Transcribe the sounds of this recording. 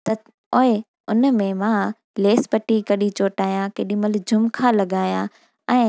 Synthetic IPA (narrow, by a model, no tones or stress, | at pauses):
t̪ɐ | oːɪ | ʊnmẽmãː | leːspɐʈikɐɗit͡ɕoːʈaːijãkeːɗĩmɐlɪd͡ʑʱʊmkʰãlɐɠaːjã | ɛ̃ː